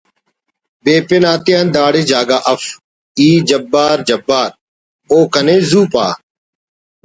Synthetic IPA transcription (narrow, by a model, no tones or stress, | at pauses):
beːpenaːt̪ijãːnd̪aːɽeːd͡ʒaːɡaːʔəf | iːd͡ʒəbːaːɾd͡ʒɐbːaːɾ | oːkəneːzuːpa̰ː